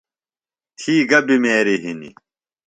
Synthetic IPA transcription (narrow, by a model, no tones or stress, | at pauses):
t̪ʰiːɡɐbimeːɾiɦinḭ